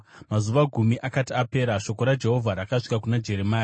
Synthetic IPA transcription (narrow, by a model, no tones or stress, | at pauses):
mazuʋaɡʱumiʔakatiape̞ːɾaʃo̞ko̞ɾad͡ʒe̞ɦo̞vʱaɾakaʂi̥kakunad͡ʒe̞ɾemaːja